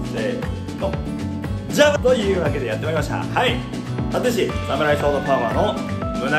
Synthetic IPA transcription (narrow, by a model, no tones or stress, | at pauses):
sḛ | t̪o | d͡ʑat̪ojɯ̟ːβake̞d̪e̞jat̪ːe̞maɾʲimaɕt̪a̰hai | t̪at̪eɕ̬isamɯ̟ɾaisoːd̪opaβaːno | mɯ̟na